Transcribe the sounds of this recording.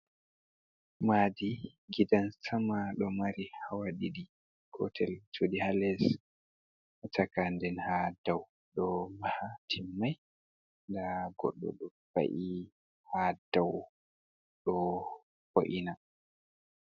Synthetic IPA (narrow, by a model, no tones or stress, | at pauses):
madi | ɡidansamaɗɔmaɾihawaɗiɗi | kɔ̰tʰɛltʰudihalɛs | takandɛnhadaw | ɗɔmahatʰimːaj | ndaɡɔ̰ɗːɔ̰ɗɔ | ba̰ʔi | hadaw | ɗɔ | fo̰ʔina